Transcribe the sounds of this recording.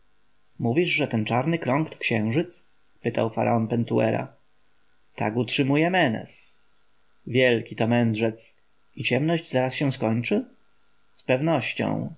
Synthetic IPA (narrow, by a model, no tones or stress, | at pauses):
muvʲiʐʐɛt̪ɛnt͡ʂaɾnɘkɾɔ̃ŋkt̪ɔ̥kɕɛ̃w̃ʐɘt̪s | pɘt̪awfaɾʔa̰ɔnpɛnt̪uɛ̰ɾa̰ | t̪a̰ɡutʂɘmujɛmɛnɛ̰s | vʲjɛlkʲit̪ɔmɛndʐɛt̪s | it͡ɕɛmnɔʑd͡ʑzaɾasɕɛw̃skɔɲt͡ʂɘ | spɛvnɔɕt͡ɕɔ̰̃w̃